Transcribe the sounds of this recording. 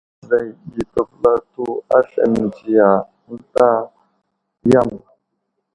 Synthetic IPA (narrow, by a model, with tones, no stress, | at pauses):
za˨ji˨tə˨fla˦tu˦a˦ɬə̰˨n˨d͡ʒi˨ja˨ | n̩˦ta˦ | ja˦˨m˨